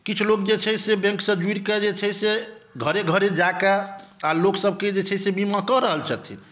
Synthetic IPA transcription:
kit͡ʃʰulokd͡ʒet͡ʃʰɛjsebɛ̃ŋksəd͡ʒiɾked͡ʒet͡ʃʰɛseɡʱəɾeɡʱəɾed͡ʒakaaloksəb̚ked͡ʒet͡ʃʰɛsebimakɔɾəɦəlt͡ʃʰət̪ʰḭ

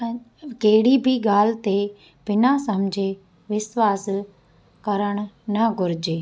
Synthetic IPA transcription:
keːɽibʱiɡaːlt̪e | b̥ɪnasɐmd͡ʑʱe | ʋɪswaːs | kɐɾəɽ̃nɐɡʱʊɾɪd͡ʑeː

